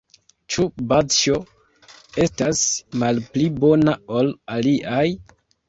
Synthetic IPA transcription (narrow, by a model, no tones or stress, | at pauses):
t͡ʃubat͡ʃo̞ | e̞stasmalplibo̞nao̞laliʔaj